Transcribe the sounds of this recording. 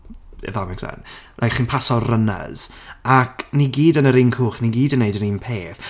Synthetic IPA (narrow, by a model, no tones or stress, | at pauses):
ɛ̰ðamɛksa̰nlʔajkχiːnpʰasɔrəna̰z̥akʰniɡiːdənəɾɪnkʰuːχniɡiːdənːejdəɾinpʰeːθ